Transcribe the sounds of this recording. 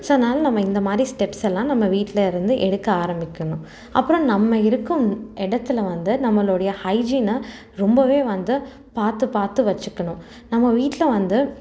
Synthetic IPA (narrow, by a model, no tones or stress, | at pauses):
soːɐðnaːlɐnɐmːɐɪnd̪ɐmaːd̪ɾisʈɛpsɛlːãːnɐmːɐʋiːʈːɪlɐɪɾɯnd̪ɯʔɛɽɯkːɐaːɾɐmbɪkʲːɐɳʊ̃ | ɐ̰pːɯɾõnɐmːɐɪɾɯkːɯmɛɽɐt̪ːɯlɐʋɐnd̪ɯnɐmːɐɭoːɽɐjɐhɐɪd͡ʒiːnɐ | ɾɔmbɐʋeːʋɐnd̪ɯ | paːɾt̪ɯpaːɾt̪ɯʋɐt͡ʃːɯkːɐɳʊ̃ | nɐmːɐʋiːʈːɪlɐʋɐnd̪ɯ